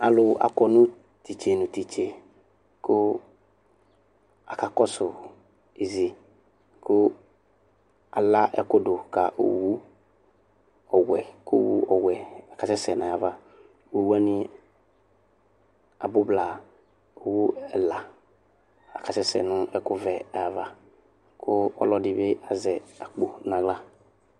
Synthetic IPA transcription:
a˨lʊ˨ʔa̰˨kɔ˨nʊ̃˦ | t̪i˨t͡ʃe˨nʊ̃˨t̪i˨t͡ʃe˨ | kʊ˦ | a˨ka˨kɔ˦sʊ˨ | i˨zi˨ | kʊ˦ | a˨la˦ʔɛ̰˦ko˦do˨ka˨ʔo̰˨wu˦ | ɔ˨wɛ˨ko˦wṵ˦ɔ˨wɛ˨a˨ka˨sɛ˦sɛ˨nã˨ja˨va˦ | wu˨wu˦a˦nɪ˦ | a̰˨bʊ˦bla˨ | o˨wu˦ɛ˨la˨ | a̰˨ka˨sɛ˦sɛ̰˨nʊ̃˦ʔɛ˦kʊ˦vɛ˨a˨ja˨va˦ | kʰʊ˦ɔ̰˦lɔ˦dɪ˦be˦a˨zɛ˨a˨k͡po˨nã˨ɡla˦

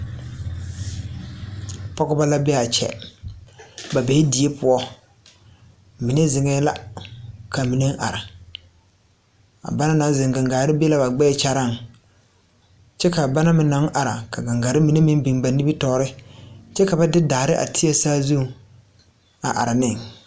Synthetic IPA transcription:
pɔ˦ɡʊ˦ba˦la˦bɛ˦a˨t͡ʃɛ̰˨ | ba˨be˨hɪ˦di˨e˦pʊ˦ɔ˦ | mi˨ne˦zɪ˨ŋɛ˦la˦ | kʰa˨mi˨ne˦ŋ˦ʔa̰˨ɾa˨ | a̰˨ba˦na˦na˨˦zɪ˨ŋɡa˨ŋɡaː˨ɾɪ˦be˦la˦ba˨ɡ͡bɛː˦t͡ʃa˦ɾa˦˨ŋ | t͡ʃɛ˦ka˨ba˦na˦mɪ˨na˨˦ŋ˦ʔa˨ɾa̰˨ka˨ɡa˨ŋɡaː˨ɾɪ˦mi˨ne˦mɪ˦bi˨ŋ˦ba˨ni˦bi˦tɔː˨˦ɾɪ˦t͡ʃɛ˦ka˨ba˦dɪ˦daː˨ɾɪ˦ʔa̰˨tʰɪ˦ɛ˦saː˦zu˦˨ | a̰˨ʔa̰˨ɾa˨nɪ˦˨ŋ

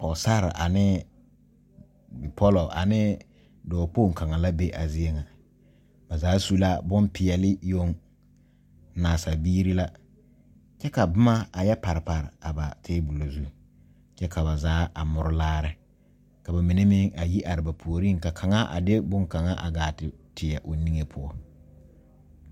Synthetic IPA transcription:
pɔ˨sa˦ɾɪ̰˨ʔa̰˨nɪ˦ | bɪ˨pʰɔ˦lɔ˨ʔa̰˨nɪ˦ | dɔː˨poː˦˨ŋ˨ka˨ŋa˨la˦be˦ʔa˨zɪ˦e˦ŋa˨ | ba˨zaː˨˦su˦la˦bʊ˦npʰɪ˨ɛ˨lɪ˦jo˦ŋ | naː˨sa˨biː˦ɾi˦la˦ | t͡ʃɛ˦ka˨bʊ˦ma˦a˨jɛ˦pa˨ɾɪ˨pa˨ɾɪ˨a˨ba˨tʰɪː˦bu˨lo˨zu˦ | t͡ʃɛ˦ka˨ba˨zaː˨˦ʔa˨mʊ˨ɾʊ˦laː˦ɾɪ˦ | ka˨ba˨mi˨ne˦mɪ˦ŋa˨ji˦ʔa˨ɾɪ˨ba˨pʰu˨o˨ɾi˦˨ŋka˨kʰa˨ŋa˦ʔa̰˨de˦bʊ˦ŋka˨ŋa˦ʔa̰˨ɡaː˨tɪ˨tʰɪ˨ja˨ʔo˨ni˦ŋe˦pʰʊ˦ɔ˦

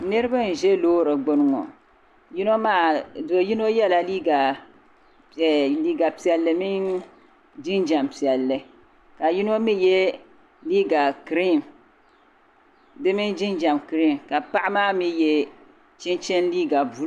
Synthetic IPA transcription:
nɨ˦ɾɨ˦ba˦n̩˨ʒɛ˦loː˦ɾɨ˨ɡ͡bʊ˦n˦ŋɔ˨ | ji˦no˦maː˦˨dɨ˨ji˦no˦jɛ˦la˨liː˦ɡa˨ | liː˦ɡa˨pi˨ɛ˨lːɨ˨mi˦n | d͡ʒi˦nd͡ʒa˨mpi˨ɛ˨lːɨ˨ | ka˨ji˦no˦mi˦jɛ˦ | liː˦ɡa˨kɨ˨ɾi˦˨m | dɨ˦mɪ˦nd͡ʒi˦nd͡ʒa˨mkɾi˦˨mka˨pa˦ʔa˦maː˦mi˦jɛ˦ | t͡ʃɛ˦nt͡ʃɛ˦n˦liː˦ɡa˨bu˦

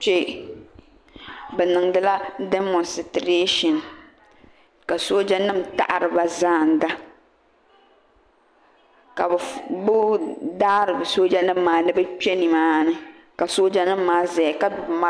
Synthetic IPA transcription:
t͡ʃe˦ | bɛ˨nɨ˨ŋdɨ˦la˦dɛ˦mɔ˨nstɾe˦ʃɔ˨n | ka˨so˦d͡ʒa˦nɨ˦m̩˨ta̰˦˨ʔa˨ɾɨ˨ba˨zaː˦˨n̩˨da˦ | ka˨bbʊ˦daː˦ɾɨ˨bɨ˨so˦d͡ʒa˦nɨ˦m̩ː˦aː˨˦nɨ˦bɨ˦k͡pɛ˦ni˨maː˦nɨ˦ | ka˨so˦d͡ʒa˦nɨ˦mːaː˦zɛ˨ka˦dʊ˨bma˦

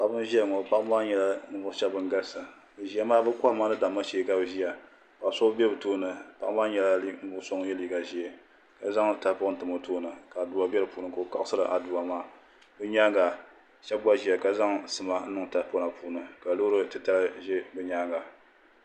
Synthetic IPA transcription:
ka˨bɨ˦m˦ʒi˦a˦˨ŋɔ˨pa˦ʔmaː˦ɲɛ˨la˦nɨ˦bʊ˦ʃɛ˦bɨ˦ŋ˦ɡa˦lsa˨ | bɨ˨ʒi˦a˦maː˦bɨ˦ka˦ma˦nɨ˦da˨mːa˦ʃe˨˦ka˨bʒi˦a˨ | ka˨so˦bɛ˦bɨ˨toː˦nɨ˨pa˦ʔmaː˦ɲɛ˨la˦li˦ŋ̩˦bʊ˨ʔso˦ŋ˦jɛ˦liː˨ɡa˨ʒi˦ɛ˨ | ka˨za˦ŋ˨ta˨˦pʊ˦n̩˨tɨ˨mo˨toː˦nɨ˨ka˨du˨a˨bɛ˦ɾɨ˨puː˨˦nɨ˨ko˨o˨ka˦ʔsɨ˦ɾɨ˨ʔa˨duː˨a˨maː˦ | bɨ˦ɲaː˦ŋɡa˨ | ʃɛ˦bba˦ʒi˦a˨ka˦za˦ŋsɨ˨ma˦n̩˦nɨ˦ŋ˨ta˨˦pʊ˦na˨puː˦nɨ˨ka˨lo˦ɾɨ˦tɨ˦ta˦lɨ˦ʒɛ˦bɨ˦ɲaː˦ŋɡa˨

